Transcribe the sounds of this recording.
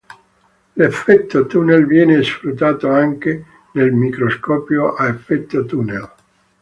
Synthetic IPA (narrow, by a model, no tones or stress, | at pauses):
lefːɛt̪ːot̪unelvjɛːnesfɾut̪ːaːt̪oaŋk̟e | nelmikɾoskɔːpjoʔaefːɛt̪ːot̪unḛl